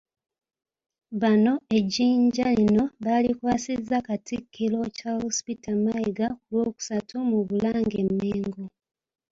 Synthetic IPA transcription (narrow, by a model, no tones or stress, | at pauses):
βano̞e̞ɟiːɲɟalino̞βalikwaːsizakatikʰːilo̞cahospitamaiɡakulwo̞ːku̥satʰumuβulaːŋɡe̞̰mːeːŋɡo